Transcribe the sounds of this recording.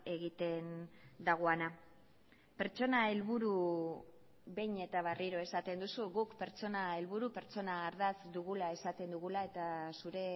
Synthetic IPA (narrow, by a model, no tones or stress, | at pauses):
e̞ɣit̪e̞nd̪aɣ̞oana | pe̞ɾt͡ʃo̞nae̞lβuɾu | βe̞jɲe̞t̪aβariɾo̞e̞sat̪e̞nd̪usuɣukpe̞ɾt͡so̞nae̞lβuɾupe̞ɾt͡so̞naːɾðasd̪uɣ̞ulae̞sat̪e̞nd̪uɣulae̞t̪asuɾe̞